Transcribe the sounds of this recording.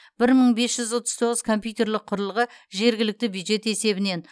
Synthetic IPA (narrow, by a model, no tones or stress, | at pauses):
b̥ɪɾməɴbe̞sʒ̥ʏzwot̪ə̥zt̪ʰo̞ʁəzkʰo̞mpʲjuwt̪e̞ɾlɪqʰʊɾəlˠəʁəʒe̞ɾɡʲɪlɪk̚t̪ɪbjud̪ʒe̞t̪e̞se̞bɪne̞n